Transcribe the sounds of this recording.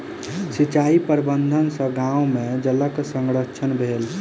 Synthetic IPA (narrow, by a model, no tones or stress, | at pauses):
sit͡ʃaipəɾbənd̪ʱənsə̃ɡãũmed͡ʒələksəŋɡɾət͡ʃʰənbʱel